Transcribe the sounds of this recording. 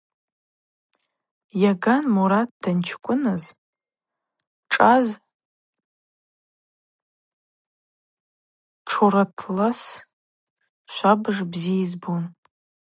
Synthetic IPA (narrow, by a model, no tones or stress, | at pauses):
jaɡanmuɾat̚dant͡ʃʰkʷʼʊnɨz | ʈ͡ʂʼaz | ʈ͡ʂʰuɾatʰlas | ʃʷabʐbziizbun